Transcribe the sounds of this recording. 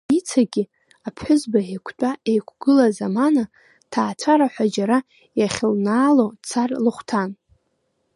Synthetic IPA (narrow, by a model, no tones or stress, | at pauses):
it͡sʰaɡʲi | apʰħʷʊzbaekʷʰtʷʼaʔejkʷʰɡ̥ɨlazamana | tʰaːt͡sʷʰaɾaħʷad͡ʒaɾa | jaχʲɪlnaːlot͡sʰarlɨχʷtʰan